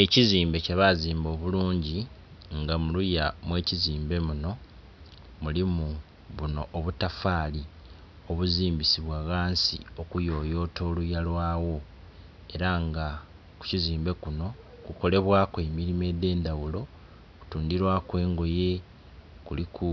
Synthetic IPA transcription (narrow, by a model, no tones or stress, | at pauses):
eciziːmbe̞ceβaziːmbo̞ːβuluːɲɟi | ŋɡamulujamwe̞ːciziːmbe̞muno̞ | mulimu | βuno̞̰ʔːβutafaːli | o̞βuziːmbisiβwaɣaːnsḭo̞kujo̞ːjo̞ːtʰo̞ːlujalwaːwo̞ | e̞ɾaŋɡa | ku̥ciziːmbe̞kuno̞ | kuko̞le̞βwaːkwe̞miɾime̞ːde̞ːndawulo̞ | ku̥tuːndiɾwakwe̞ːŋɡo̞je̞ | kulikʰu